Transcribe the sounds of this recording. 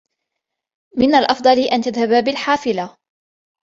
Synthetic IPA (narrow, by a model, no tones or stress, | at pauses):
mɪnːalʔɑfd̪ˤɑliʔant̪aðhababɪlħaːfɪla